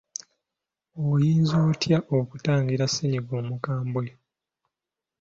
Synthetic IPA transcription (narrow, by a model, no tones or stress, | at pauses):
ojiːnzoːtjaʔokutaːŋɡiɾaseɲiɡoːmukaːmbwe